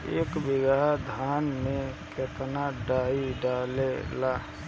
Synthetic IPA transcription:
ḛːkbɪɡad̪ʱaːnmẽket̪naɖaːiɖaːlela

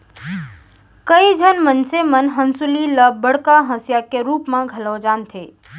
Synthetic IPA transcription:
kəid͡ʒʱənmənsemənɦənsʊliləbbəɽ̤kaɦə̃sjakeɾuːpmãɡʱəlod͡ʒaːnt̪ʰeː

